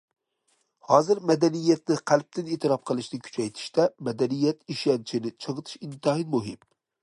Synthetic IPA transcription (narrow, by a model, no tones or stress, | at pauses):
hɒzɪɾmad̪anijːat̪̚nɪqʰalˠp̚t̪ɪnet̪ʰɪɾɒp̚qʰɨlˠɪʃnɪkʰʊ̥t͡ʃʰajt̪ʰɪ̥ʃt̪amad̪anijːat̪ɪʃant͡ʃʰɪnɪt͡ʃʰɨʁɨt̪ʰɪ̥ʃɪnt̪ʰɑhinmʊɦɪm